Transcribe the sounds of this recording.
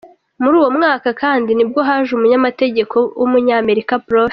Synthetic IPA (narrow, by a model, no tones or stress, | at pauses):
muɾuːwo̞mŋaːkakaːndinib̚ɡo̞ɦaʒumuɲamate̞ɟe̞kʰo̞wumuɲaːme̞ɾikapɾove